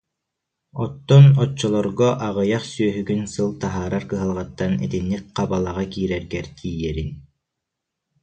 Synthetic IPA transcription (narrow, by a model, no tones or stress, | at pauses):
ɔt̪ːɔnɔt͡ɕːɔlˠɔɾɡɔʔaʁɯjaχsyœɦyɡynsɯlˠt̪aɦaːɾaɾkɯɦalˠʁat̪ːanḭt̪inːik̚qabalˠaʁakiːɾɛɾɡɛɾt̪ʰiːjɛɾin